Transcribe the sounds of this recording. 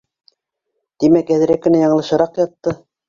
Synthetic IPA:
t̪imækæðɘ̆ɾækːɘ̆næjɑɴɤ̆lˠɤ̆ʃɤ̆ɾɑqjɑt̪ːɤ

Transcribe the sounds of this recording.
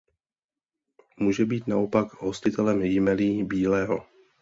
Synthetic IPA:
muːʒɛbiːt̪naʔo̞pakɦo̞scɪt̪ɛlɛmjɪmɛliːbiːlɛːɦo

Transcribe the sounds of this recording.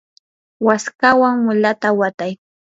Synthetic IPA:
waskawaŋmʊlat̪awat̪aj

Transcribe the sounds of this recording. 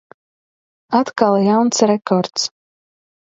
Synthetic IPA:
at̪kalˠjawnsɾɛkɔɾt̪s

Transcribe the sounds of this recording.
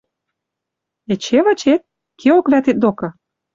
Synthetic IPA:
et͡ɕeβɤ̆t͡ɕet̪̚ | kʰeokβæt̪et̪̚d̪okɤ̆

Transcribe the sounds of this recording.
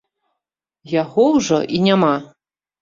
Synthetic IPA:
jaɣɔwʐɔ̰ʔinʲama

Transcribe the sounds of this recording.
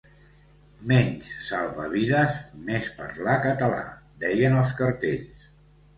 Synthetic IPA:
mɛɲssalˠβəβiðəsmespə̰ɾlakət̪əla̰d̪ɛjənəlˠskəɾt̪eʎs

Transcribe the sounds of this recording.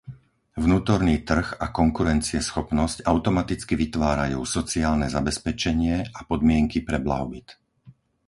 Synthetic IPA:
vnuːt̪ɔɾniːt̪r̩ɣakɔŋkuɾɛnt͡siɛsxɔpnɔscaʊt̪ɔmat̪it͡skiʋit̪ʋaːɾa̰juːsɔt͡siaːlnɛzabɛspɛt͡ʃɛɲɪɛʔapɔd̪mɪɛŋkipɾɛbla̰ɦɔbit̪

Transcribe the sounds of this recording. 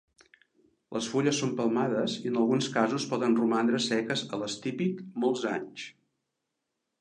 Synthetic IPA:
lʔəsfuʎəsːompəlˠmaðəziənəlˠɣunskazuspɔðənrumand̪ɾəsɛkəzələst̪ipikmolˠzaɲs

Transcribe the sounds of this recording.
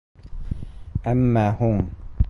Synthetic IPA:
ʔamːaːhʊm

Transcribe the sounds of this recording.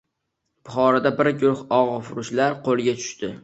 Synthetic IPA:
pʰʊχɒɾad̪abɪɾɡʲʊɾʊχɒʁfʊɾʊʃlaɾqʰolˠɡʲat̪ʰʊ̥ʃt̪ɪ

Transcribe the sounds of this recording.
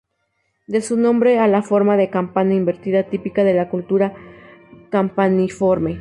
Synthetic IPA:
d̪e̞sunõmbɾealafo̞ɾmaðe̞kampanaimbeɾt̪iðat̪ipikaðe̞lakult̪uɾa | kampanifoɾme

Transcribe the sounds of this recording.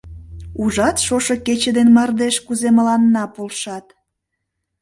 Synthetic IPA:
uʒɑt̪ʃoʃəket͡ɕəd̪enmɑrd̪eʃkuzeməlɑnːɑpolʃɑt̪

